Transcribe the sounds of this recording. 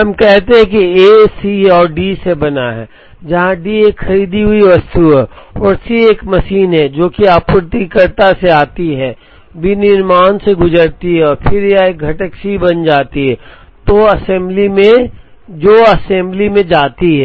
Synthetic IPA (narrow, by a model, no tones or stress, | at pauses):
ɦɐmkɛɦt̪ẽɦɛ̃kiesiɔːɾɖisebɐnaɦɛː | d͡ʒɐɦãɖieːkxɐɾiːd̪iɦʊiʋɐst̪uɦɛɔːɾsieːkmɐʃiːnɦɛd͡ʒoːkiaːpʊɾt̪ikəɾt̪aseaːt̪iɦɛː | binɪɾmaːnseɡʊzəɾt̪iɦɛɔːɾpʰɪɾjaeːk̚ɡʱɐʈəkʃibɐnd͡ʒaːt̪iɦɛː | t̪oɐsɛ̃mblimẽd͡ʒoːɐsɛ̃mblimẽd͡ʒaːt̪iɦɛː